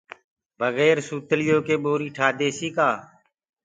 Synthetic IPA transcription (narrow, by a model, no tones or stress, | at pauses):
bʱəɣeːɾsuːt̪lɪjoːkeːɓoːɾiːʈʰaːd̪eːsiːkaː